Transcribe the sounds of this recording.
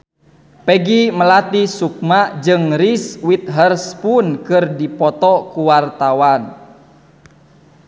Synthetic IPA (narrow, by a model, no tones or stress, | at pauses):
pɛɡiməlat̪isuk̚mad͡ʒɨŋriswit̪̚ɦərspunkɨrdipɔt̪ɔkuwart̪awan